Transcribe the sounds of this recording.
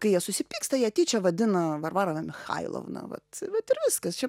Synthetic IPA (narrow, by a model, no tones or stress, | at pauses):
kɐɪjiɛsʊsʲɪpʲiːkst̪ɐjiɛɐt̪ʲiːt͡ʃʲɛʋɐd̪ʲɪnɐʋɐrʋɑːɾɐnɐmʲɪxɐ̰ɪlˠo̰ʋnɐ̰ʋɐ̰t̪ʋɐt̪ɪɾʋʲɪskɐst͡ʃʲɛ